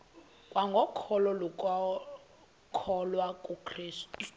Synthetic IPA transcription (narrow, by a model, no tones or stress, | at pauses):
kʼwaŋɡʱɔkʰɔlɔlɔkʼɔ | kʰɔlwakʼukʰriːstʼu̥